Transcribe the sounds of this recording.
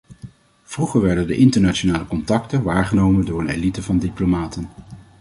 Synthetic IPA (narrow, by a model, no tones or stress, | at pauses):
v̥ruχəɹʋɛɹdəndəʔɪntəɹnat͡ʃonaːləkɔntɑktənʋaːɹχənowməndʊːɹəneːlitəvɑndiplomaːtən